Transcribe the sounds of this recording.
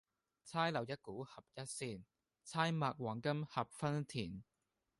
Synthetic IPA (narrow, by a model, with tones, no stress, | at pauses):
t͡sʰaː˥jlɐ˨˩wjɐ˥t̚kuː˨˥hɐ˨p̚jɐ˥t̚siː˧n | t͡sʰaː˥jmaː˨k̚wɔː˨˩ŋkɐ˥mhɐ˨p̚fɐ˥nt̪ʰiː˨˩n